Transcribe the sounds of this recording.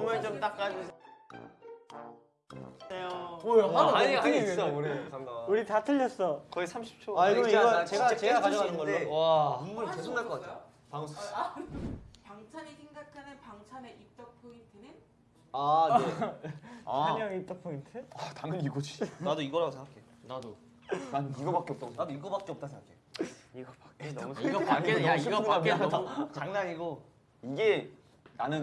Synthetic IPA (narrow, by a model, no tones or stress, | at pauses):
omaɭt͡ɕomt͈ak̚k͈aɡosʰ | ejoojoaaiɡis͈ʌɾeaŋuɾitatʰɯʎːʌs͈ʌkʌisʰamɕʰi̥p̚t͡ɕʰoaiʌnɯniɡʌt͡ɕeɡaet͡ɕeɡakaɲʌanɯnɯnɡʌnːowaombunkesʰoŋnaɭk͈ʌkatʰejo | paŋsʰ | paŋt͡ɕʰaɲisʰeŋɡakʰanɯnpaŋsʰaneʔip̚t͈ʌk̚pʰointʰɯnɯn | ae | aaɲaŋip̚t͈ʌk̚pʰointʰɯataŋɯniɡod͡ʑinadoiɡʌɾaɡosʰeŋɡakʰeonado | nanɯniɡʌbak͈eʌpt͈aɡosnadoiɡʌbak͈eʌp̚t͈asʰeŋɡakʰeiɡʌ | ɡʌaɲeiaaet͡ɕaŋnaɲiɡo | iɡe̞ | nanɯn